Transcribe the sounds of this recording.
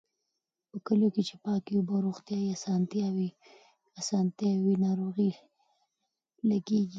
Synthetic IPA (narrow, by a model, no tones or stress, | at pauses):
pəkəloket͡ʃepɑkiubaɾoɣt̪jɑiasɑnt̪jɑwi | asɑnt̪jɑwinɑɾoɣi | laɡeɡi